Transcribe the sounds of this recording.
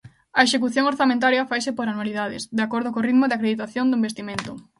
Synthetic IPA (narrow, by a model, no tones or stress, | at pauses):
ɐeʃek̬uθjoŋoɾθamẽnt̪aɾjɐfajsɪpoɾanwaliðaðɪ̰sd̪eakoɾð̞ʊkoriðmʊðɪakɾeðit̪aθjond̪oʊĩmbest̪imẽnt̪ʊ